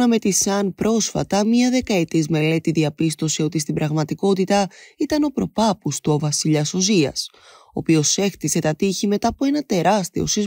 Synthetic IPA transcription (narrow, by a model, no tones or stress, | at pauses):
nɐme̞t̪isɐnpɾʔo̞sfɐ̰t̪ɐmɲɐðe̞kɐe̞t̪izme̞le̞t̪iðiɐpist̪o̞sio̞t̪is̬t̪ibɾɐɣmɐt̪iko̞t̪it̪ɐit̪ɐno̞pɾo̞pɐpust̪ovɐsiʎɐso̞ziɐ̰s | o̞ːpio̞se̞xt̪ise̞t̪ɐt̪içime̞t̪ɐːpo̞e̞nɐt̪e̞ɾɐst̪io̞̰siz